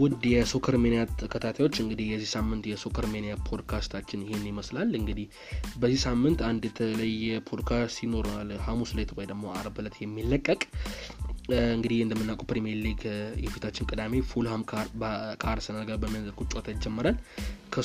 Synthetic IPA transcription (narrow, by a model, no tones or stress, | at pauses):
wʊd̪jɛsokʰəɾmenijat̪əkʰət̪ʰat̪ʰajwo̞t͡ʃːɨŋɡɨd̪ihjɛzːihsamːɨnt̪jɛsokʰəɾmenjapʰo̞d̪kʰast̪ʰat͡ʃːɪnɪhenːɪməslalɨŋɡɨd̪ih | bəzːisamːɨnt̪and̪jɛt̪ʰələjːɛpʰod̪kʰat̪ino̞ɾalhamuslet̪wojd̪əɡmo̞aɾbɨlət̪jɛmːilːəkʼːəkʼ | ɨŋɡɨd̪ihɨnd̪əmːɨnːakʼupɾimeɾlːikʰjɛfit̪ʰat͡ʃːɪnkʼɨd̪ame̞fulham | kʰaɾsɨnəɡaɾbəmijazəɾkʰut͡ʃʼot̪ʰad͡ʒɛmːəɾalkʰə